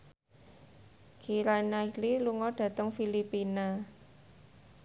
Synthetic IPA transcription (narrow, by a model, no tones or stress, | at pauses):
ɡ̥iɾanaililuŋɔɖ̥ä̤t̪əŋfilipina